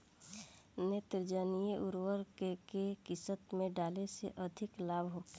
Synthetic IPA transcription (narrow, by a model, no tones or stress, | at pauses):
neːt̪ɾd͡ʒaːnijeʔʊɾwəɾkekekɪsət̪mẽɖaːlesḛʔɐd̪ʱɪklaːbɦoː